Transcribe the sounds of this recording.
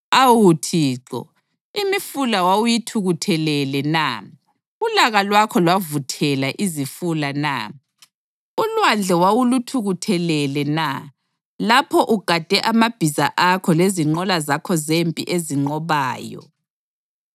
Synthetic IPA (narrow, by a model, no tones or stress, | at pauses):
awutʰiːǁɔ̰ | imifulawawujitʰuɣutʰɛlɛlɛna̰ | ulaɣalwakʰɔlwavutʰɛlaʔizifulana̰ | ulwand͡ɮʱɛwawulutʰuɣutʰɛlɛlɛna | lapʰɔʔuɡ̥ʱad̥ʱɛʔamab̥ʱizaʔakʰɔleziŋ͡ǃɔlazakʰɔzempʼḭʔeziŋ͡ǃɔβaːjɔ̰